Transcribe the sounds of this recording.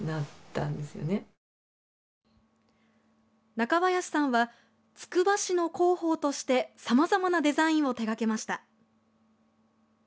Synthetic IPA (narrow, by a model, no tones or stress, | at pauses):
nat̪ːã̰nd̪e̞sɨjo̰ne | nakaβajaɕi̥sãɰ̃βa | t͡sɨ̥kɯ̟baɕino̞ko̞ːho̞ːt̪o̞ɕi̥t̪e̞samazamanad̪e̞zaĩɰ̃o̞t̪e̞ɡake̞maɕi̥t̪a